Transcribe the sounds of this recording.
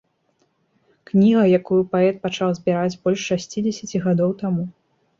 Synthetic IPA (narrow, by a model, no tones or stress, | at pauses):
knʲiɣɐjakujupaɛt̪̚pat͡ʂawzʲbʲiɾad͡zʲbɔlʲʂːasʲt͡sʲid͡zʲɛsʲɐt͡sʲiɣad̪ɔwt̪amu